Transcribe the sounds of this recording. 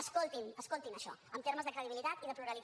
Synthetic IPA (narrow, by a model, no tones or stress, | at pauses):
əskolˠt̪inəskolˠt̪inəʃɔ̰əmt̪eɾməzðəkɾəðiβilit̪at̪iðəpluɾəli